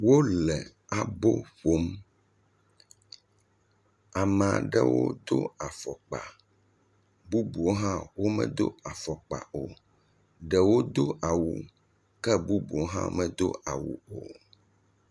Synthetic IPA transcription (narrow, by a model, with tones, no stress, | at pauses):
wo˦lɛ˨ | a˨bo˦ɸo˦m | a˨m˨a̰˨ɖɛ̰˦wo̰˦d̪o̰˦a˨fɔ˨k͡pa̰˨ | bu˦bu˨o˦ɦã˦wo˦mɛ̰̃˦d̪o̰˦a˨fɔ˨k͡pa̰˨o˨ | ɖɛ˨wo˦d̪o˦ʔa˨wṵ˨ | kɛ˦bu˦bu˨o˦ɦã̰˦mɛ̃˦d̪o˦a˨wṵ˨o˨